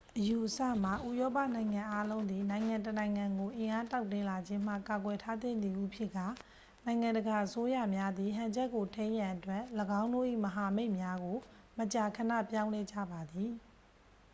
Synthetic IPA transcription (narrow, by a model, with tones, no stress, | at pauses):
ʔəju˨ʔəsä̰˦˨m̥a˨ʔṵ˦˨jɔ˦pä̰˦˨nã˨ɪ̃ŋã˨ʔa˦lõ˦ʊ̃nd̪ði˨nã˨ɪ̃ŋã˨ntənã˨ɪ̃ŋã˨ŋɡo˨ʔɪ̃˨ʔa˦ta˦ʊtɪ̃˦˨la˨d͡ʑɪ̃˦m̥ä̰˦˨ka˨ɡwɛ˨tʰa˦d̪ɪ̰̃˦˨nd̪i˨ʔu˦˨pʰjɪ˦ʔkːa˦˨ | nã˨ɪ̃ŋã˨ndəɡa˨ʔəso˦jä̰˦˨mja˦d̪ði˨ɦã˨ɲd͡ʑɛ˦kːo˨tʰẽ˦ɪ̃jã˨ʔətwɛ˦ʔləɡã˦ʊ̃ndo̰˦˨ʔḭ˦˨məɦa˨me˦ɪʔmja˦ɡo˨ | mət͡ɕa˨kʰə˨nä̰˦˨pjã˦ʊ̃lɛ˦d͡ʑa̰˦˨ba˨d̪i˨